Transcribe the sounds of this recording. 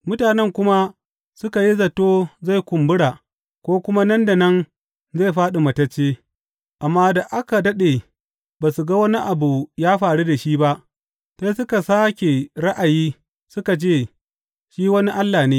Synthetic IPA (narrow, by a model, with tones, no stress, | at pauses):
mʊ˦taː˨nɛ˦ŋkʷʊ˦ma˦ | sʊ˦ka˨ji˦zɐ˨toː˦za˦˨jkʷʊ˨mbʊ˦ɽa˨ | kʷoː˦kʷʊ˦ma˦nɐ˦nda˨nɐ˦n | za˦˨jɸaː˦ɗu˨mɐ˨tɐ˦t͡ʃːeː˦ | ʔa˨mːaː˦da˨ʔa˦ka˨dɐ˦ɗe˨ | baː˨su˨ɡa˦wɐ˦ni˦ʔa˨bu˨jaː˦ɸaː˨ɽu˦da˨ʃiː˦ba˦ʔ | sa˦sʊ˦ka˨saː˦kʲe˨ɽɐ˦ʔa˨jiː˦ | sʊ˦ka˨t͡ʃeː˦˨ | ʃiː˦wɐ˦ni˦ʔa˦lːaː˨neː˦